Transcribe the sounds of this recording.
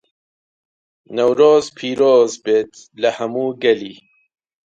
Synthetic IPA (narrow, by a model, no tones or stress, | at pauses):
nɐwɾoːzpʰiːɾoːzbeːt̪ʰlɐhɐmuːɡɐliː